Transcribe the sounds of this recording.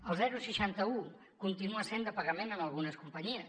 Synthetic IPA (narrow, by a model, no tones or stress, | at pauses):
əlˠzɛɾusiʃant̪əu | kunt̪inuəsend̪əpəɣəmenəməlˠɣunəskumpəɲiəs